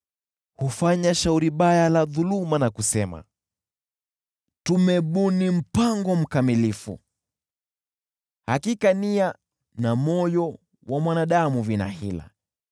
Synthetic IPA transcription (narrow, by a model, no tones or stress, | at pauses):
hufaɲaʃauɾiɓajalaðulumanakusɛma̰ | tumɛɓunim̩paŋɡɔm̩kamilifṵ | hakikania | namɔjɔ | wʔamwanaɗamuvina̰hḭla̰